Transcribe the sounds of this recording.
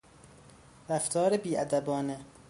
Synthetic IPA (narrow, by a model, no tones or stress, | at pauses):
ɾæft̪ʰɒːɾebiːʔæd̪æbɒːne